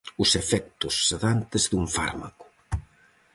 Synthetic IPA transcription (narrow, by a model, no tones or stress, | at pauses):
ʊsefɛk̚t̪ʊsːeðant̪ezðuɱfa̰ɾma̰kʊ̥